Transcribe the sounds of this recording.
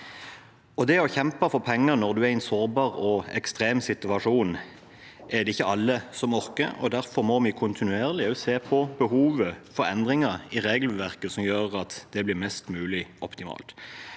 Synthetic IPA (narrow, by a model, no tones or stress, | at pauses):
ɔd̪ɛɔçɛmpəfɔʁpʰɛŋːənɔʁd̪ʉæɛɪnsoːʁbɑːʁɔɛ̰kst̪ʁeːmsɪt̪ʉɑʂuːn | ʔɛd̪ɛɪçːəɑlːəsɔmœʁkə̰ɔ̰d̪æʁfɔʁmɔmɪkʰʊnt̪ɪnʉeːʁlɪseːpʰɔbəhuːʋəfɔɾɛ̰nd̪ʁɪŋɑɾɪʁeːɡlʋæʁkəsɔmjøːʁɑt̪d̪ɛblɪʁmɛst̪mʉːlɪʔɔpt̪ɪmɑ̰ːlt̪